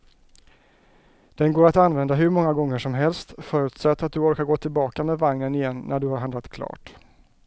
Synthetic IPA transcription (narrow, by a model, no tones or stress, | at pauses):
d̪̥ɛnɡoːɾat̪anvɛnd̪aɦɵɾmɔŋːaɡɔŋːəʂɔmɦɛlst̪fœːɾɵ̟ːt̪sɛt̪ːat̪̚d̪ɵɔɾkaɾɡoːt̪ʰɪlbɑːkamɛːvaŋnənɪjɛnːʔæɖɵhaɾɦand̪ɾat̪kʰlɑ̰ːʈ